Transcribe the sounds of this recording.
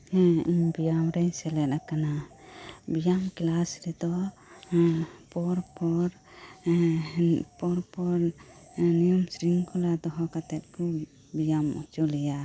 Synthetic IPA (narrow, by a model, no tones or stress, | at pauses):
iɲbijamɾɛɲsɛlɛt̪akana | bijamklasɾɛd̪ɔ | pɔɾpɔɾ | pɔɾpɔɾ | nijɔmsɾiŋkɔlad̪ɔɦɔkat̪ɛt̪̚kɔ | bijamɔ̰t͡ʃulɛja